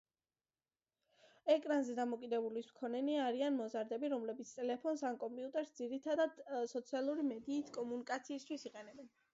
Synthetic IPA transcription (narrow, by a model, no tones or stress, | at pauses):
ɛkʼɾanzɛd̪amɔkʼid̪ɛbulismkʰɔnɛniaɾianmɔzaɾd̪ɛbiɾɔmlɛbit̪sʰt̪ʼɛlɛpʰɔnsankʼɔmpʼiut̪ʼɛɾsd̪ziɾit̪ʰad̪ad̪sɔt̪sʰialˠuɾimɛd̪iːt̪ʰkʼɔmunikʼat̪sʰiːst̪ʰwisiqʼɛnɛbɛn